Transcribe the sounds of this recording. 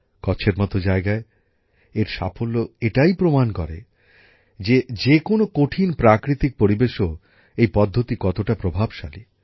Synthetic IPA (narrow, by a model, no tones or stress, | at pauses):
kɔt͡ɕʰeɾmɔt̪od͡ʑaeɡae | eɾʃa̰folːoeʈajpɾomankɔ̰ɾḛ | d͡ʑed͡ʑekonokoʈʰinpɾakɾit̪ik̚poɾibeʃo | ejpɔd̪ʱːot̪ikɔt̪oʈapɾobʱabʃa̰li